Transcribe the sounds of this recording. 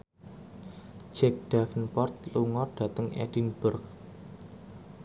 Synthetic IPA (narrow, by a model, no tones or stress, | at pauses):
d͡ʒɛk̚d̥afənpɔrt̪̚luŋɔrd̥a̤t̪əŋɛ̰d̥inb̥ʊrk